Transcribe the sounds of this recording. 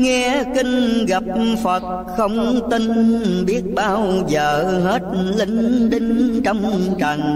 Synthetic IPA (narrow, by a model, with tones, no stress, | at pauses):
ŋɛ˧kï˧ŋ̟ɣa˨˩p̚fə˨˩t̚ | xə˧wŋ͡mt̪i˧ŋɓi˦˥ət̚ɓaː˧wzəː˨˩ɦe˦˥t̚li˧˦ŋɗi˧ŋ̟t͡ɕɔ˧wŋ͡mt͡ɕa˨˩ŋ